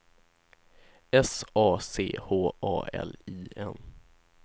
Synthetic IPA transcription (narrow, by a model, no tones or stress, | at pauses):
ɛsɑːsḛːhoːʔɑːɛ̰liːɛn